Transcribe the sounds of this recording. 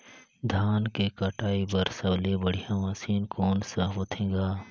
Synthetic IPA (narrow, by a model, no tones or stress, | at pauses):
d̪ʱaːnkekaʈaːibɐɾsɐblebɐɽ̤ijãʋaːsiːnkʰoːnsaɦoːt̪ʰẽːɡaː